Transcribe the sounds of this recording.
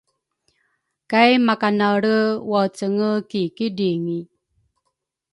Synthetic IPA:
kajmakanaɾəwat͡səŋəkikidiŋi

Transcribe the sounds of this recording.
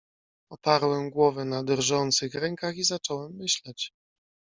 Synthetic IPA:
ɔpaɾwɛmɡwɔvɛnad̪ɾʐɔnt̪sɘxɾɛŋkaxizat͡ʂɔwɛmːɘɕlɛt͡ɕ

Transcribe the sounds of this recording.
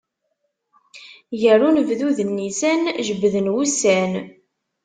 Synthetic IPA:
jərunəvðuðənːisænʒəbːðənwusæn

